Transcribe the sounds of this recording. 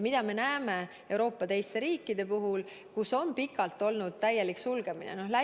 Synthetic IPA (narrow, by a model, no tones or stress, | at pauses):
mid̪̥ɑme̞næeme̞ | e̞wɾo̞ːpːˑɑt̪e̞jst̪e̞ɾiːkːˑid̪̥e̞puɦul | kuso̞npikːˑɑlt̪ːˑo̞lnud̪̥̚t̪æjːeliksulɡ̥e̞minḛnohlæ